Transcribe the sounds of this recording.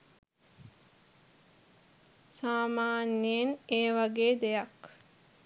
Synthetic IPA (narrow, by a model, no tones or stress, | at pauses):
saːmaːnːeeneːʋaɡeːd̪ejak